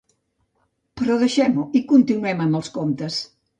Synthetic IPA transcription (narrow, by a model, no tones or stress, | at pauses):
pɾɔðeʃemʊikunt̪inwemɐmolskont̪es